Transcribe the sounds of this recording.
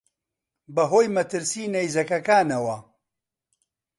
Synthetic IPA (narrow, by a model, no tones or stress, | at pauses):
bɐɦoːjmɐt̪ɨɾsiːnɐjzɐkɐkaːnɐwɐ